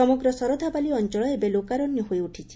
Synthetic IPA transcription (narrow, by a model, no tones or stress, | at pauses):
ɔmɔɡɾɔsɔɾɔd̪ʱabaliɔnt͡ʃɔɭɔebelokaɾɔnjɔɦojuʈʰit͡ʃʰi̥